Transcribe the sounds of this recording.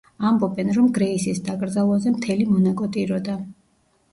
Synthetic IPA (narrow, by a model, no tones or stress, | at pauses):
ambɔbɛnɾɔmɡɾɛisisd̪akʼɾd̪zalˠazɛmt̪ʰɛlimɔnakʼɔt̪ʼiɾɔd̪a